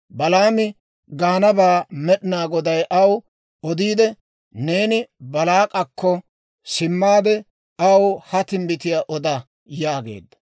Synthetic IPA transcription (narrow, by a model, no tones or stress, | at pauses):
bɐlaːmɪ | ɡaːnɐbaːmɛɗɪnaːɡɔd̪ɐjʔɐw | ɔd̪iːd̪ɛ | ne̞ːnɪbɐlaːkʼɐkʰːɔ | sɪmːaːd̪ɛ | ɐwhɐt̪ɪmbɪt̪ɪjaʔɔd̪ɐ | jaːɡe̞̰ːd̪ːɐ̥